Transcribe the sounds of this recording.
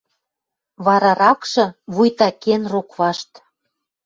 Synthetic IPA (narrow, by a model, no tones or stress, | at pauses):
βɑɾɑɾɑkʃɤ̆βujt̪ɑkenrokβɑʃt̪